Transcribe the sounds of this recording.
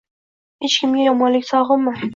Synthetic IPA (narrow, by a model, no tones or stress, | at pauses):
het͡ʃkʲʰɪmɡʲajɒmɒnlɪkʲsɒʁəmːɪ